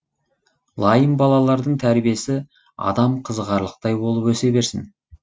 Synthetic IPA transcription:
lˠɑjəmbɑlˠɑlˠɑɾd̪əɴt̪ʰæɾbije̞sɪ | ɑ̰d̪ɑmqʰəzʁɑɾlˠəq̚t̪ɑjbo̞lˠəpwɵse̞be̞ɾsɪn

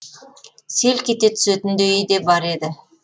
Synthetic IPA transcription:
se̞lkʲet̪e̞t̪ʰʏ̥set̪ɪnd̪ejed̪e̞bɑɾed̪ɪ

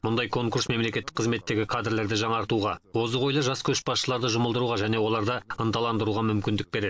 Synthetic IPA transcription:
mʊnd̪ɑjkʰo̞ŋkuɾsme̞mle̞kʲe̞t̪ːɪ̥k̚qʰːəzme̞t̪ːe̞ɡʲɪkʰad̪rle̞ɾd̪ɪʒɑɴɑɾt̪uʁɑwo̞zəʁo̞jlˠəʒɑskʲʰɵʃbɑsʃəlˠɑɾd̪əʒʊməlˠd̪əɾuʁɑʒæne̞wo̞lˠɑɾd̪əənt̪ɑlˠɑnd̪əɾuʁɑmʏmkʲɪnd̪ɪk̚be̞ɾe̞d̪ɪ

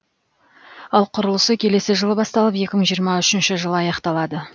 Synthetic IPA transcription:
ɑlˠqʰʊɾəlˠəsəkʲʰe̞le̞sɪʒəlˠəbɑst̪ɑlˠəpje̞kʲɪməɴʒijəɾmɑʏʃɪnʃɪʒəlˠəɑjɑqt̪ɑlˠɑd̪ə

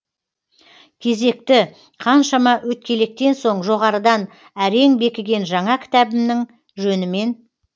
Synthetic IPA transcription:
kʲʰe̞ze̞k̚t̪ɪ | qʰɑnʃɑmɑwɵt̪̚kʲʰe̞le̞k̚t̪e̞nso̞ɴʒo̞ʁɑɾəd̪ɑn | æɾe̞ŋbe̞kʲɪɡʲe̞nʒɑɴɑkʲʰɪ̥t̪æbɪmnɪŋ | ʒɵnɪme̞n

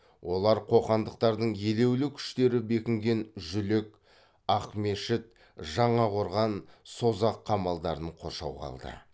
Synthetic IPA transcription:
wo̞lˠɑɾqʰo̞qɑnd̪əqt̪ɑɾd̪əɴje̞le̞wlɪkʲʰʏ̥ʃt̪e̞ɾɪbe̞kʲɪŋɡʲe̞nʒʏlek | ɑqme̞ʃɪt̪̚ | ʒɑɴɑqo̞ɾʁɑnso̞zɑqʰːɑmɑlˠd̪ɑɾəɴqʰo̞̰ʃɑ̰wʁɑ̰lˠd̪ə̰

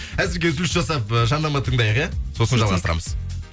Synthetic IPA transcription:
æzɪɾɡʲezɪlʲsʒɑsɑpəʒɑnːɑmɑt̪ʰəɴd̪ɑjəqjɑso̞sənʒɑlˠʁɑst̪əɾɑ̰məz̥

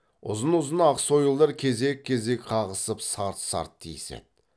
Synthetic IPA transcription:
ʊ̰zənʊzənɑqso̞jəlˠd̪ɑɾkʲʰe̞ze̞kʲʰːe̞ze̞kʲqʰɑʁəsəpsɑɾt̪sɑ̰ɾt̪ʰːijsḛd̪̚

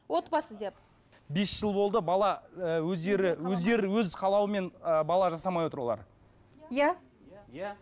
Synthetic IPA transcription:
wo̞t̪bɑsəd̪ep | be̞sʒ̥əlˠbo̞lˠd̪əbɑlˠɑwɵzd̪e̞ɾɪwɵzd̪e̞ɾɪwɵzqʰɑlˠɑwəme̞nəbɑlˠɑʒɑsɑmɑjwoəɾwolˠɑ̰ɾ | ja

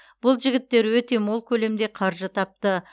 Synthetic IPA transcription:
b̥ʊlˠʒɪɡʲɪt̪ːe̞ɾwɵt̪e̞molˠkʲʰɵle̞md̪e̞qʰɑɾʒət̪ʰɑp̚t̪ə

